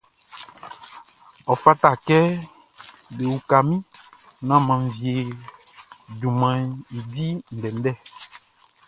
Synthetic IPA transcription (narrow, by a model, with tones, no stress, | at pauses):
ɔ˨fa˦ta˦˨kɛ˦ | be˨wu˨ka˨mĩ˦ | nã˦mã˨n˨vi˨e˨ | dũ˨mã˨i˨di˦n̩˨dɛ˨n˦dɛ˦˨